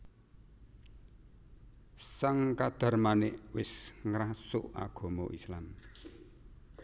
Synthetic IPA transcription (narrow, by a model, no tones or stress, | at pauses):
saŋkad̪̥a̤rmanɪʔwɪsŋɾasʊ̰ʔa̰ɡ̥ɔ̤mɔʔislam